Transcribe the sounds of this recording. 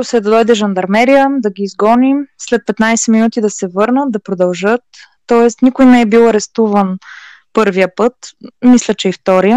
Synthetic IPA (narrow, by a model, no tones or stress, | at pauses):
ʊsɛd̪ɐd̪ɔjd̪ɛʒɐnd̪ɐɾmɛɾijəd̪ɐɡʲiːzɡɔnimslɛt̪̚pɛt̪najsɛminut̪id̪ɐsɛvɤɾnət̪̚d̪ɐpɾod̪ɐlˠʒɤt̪ː | ɔɛst̪nikʊjnɛɛbilˠɐɾɛst̪uvən | pɤɾvijəpɤt̪mislʲət͡ʃɛift̪ɔɾijə